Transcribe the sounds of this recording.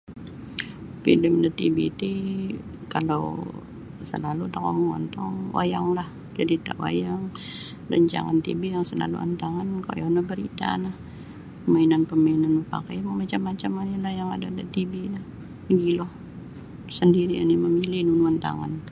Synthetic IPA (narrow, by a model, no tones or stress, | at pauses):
pḭdəmndat̪ḭbit̪i | kalaw | sə̰lalut̪akɔməŋɔ̰nt̪ɔŋwʔa̰jaŋlah | d͡ʒadit̪a̰wa̰jaŋ | lə̰ɲt͡ʃa̰ŋant̪ḭbijaŋsəla̰lṵa̰nt̪aŋanka̰janabəɾit̪a̰nah | pəmainanpəmainanməpa̰kajməmat͡ʃamːat͡ʃamanilahjaŋa̰dadat̪ibinah | əɡilɔh | səndiɾiḭniməmilɪnunuant̪a̰ŋan